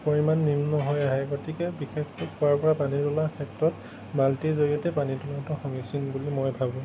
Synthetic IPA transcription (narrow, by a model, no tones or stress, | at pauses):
pɔɹimanːimnɔɦojaɦɛɡotʰikɛbixekʰʊkʊaɹpɔɹapanitɔlakʰɛtɹɔt | baltezoɹiɔtɛpanitunɔtɔxɔŋisinbulimojbʱabũ